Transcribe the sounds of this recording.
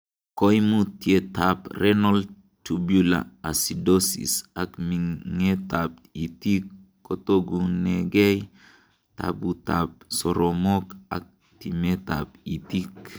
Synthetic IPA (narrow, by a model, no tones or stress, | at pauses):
kojmutietaprenol | tubula̰asidosḭsakmiŋetap̚ | itikː | otoɡuneɡej | ta̰butap̚soɾomoka̰k̚ | timeta̰p̚itik